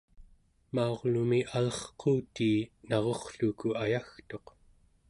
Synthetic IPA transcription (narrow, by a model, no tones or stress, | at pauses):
mao̞ʁlumiʔalʌχqʰoːt̪iːnɑʁo̞χɬukuajaxt̪o̞q